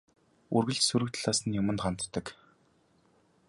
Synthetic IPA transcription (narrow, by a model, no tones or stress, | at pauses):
urɣɘ̆ɮsuɾɘ̆kt̪ɮaːsə̆njʊmə̆nt̪ɢan̥t̪ːə̆k